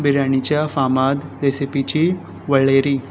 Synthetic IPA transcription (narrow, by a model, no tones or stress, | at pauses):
bɪɾaːnit͡ʃafaːmaːd̪ɾesipit͡ʃi | ʋɐɭeːɾi